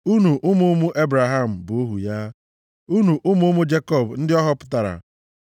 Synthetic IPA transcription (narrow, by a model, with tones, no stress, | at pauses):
u˦nu˨ʔʊ˦mu˦mʊ˦ʔe˦bɾa˨ɦa˦˨m̩˨bʊ˨o˦ɦu˨ja˦ | u˦nu˨ʔʊ˦mʊ˦mʊ˦d͡ʒe˦kɔ˦˨bn̩˦dɪ˦ɔ˦ɦɔ˦pʊ̥˦ta˨ɾa̰˨